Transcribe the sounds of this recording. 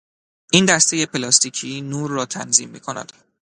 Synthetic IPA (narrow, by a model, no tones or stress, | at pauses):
ʔiːnd̪æst̪e̞je̞pʰelɒːst̪icʰiːnuːɾːɒːt̪ʰænzḭːmːḭːkʰonæ̰d̪̥